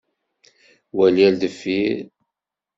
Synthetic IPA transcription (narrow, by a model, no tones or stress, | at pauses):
wæljæld̪əfːiɾ